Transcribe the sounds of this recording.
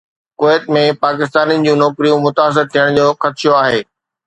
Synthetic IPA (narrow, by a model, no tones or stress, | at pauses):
koːɪt̪̚mẽpaːkɪs̬t̪aːnĭd͡ʑũːnɔːkɾijũmʊt̪aːs̬ɪɾt̪ʰijəɽ̃d͡ʑoːxɐt̪ʃoaːɦeː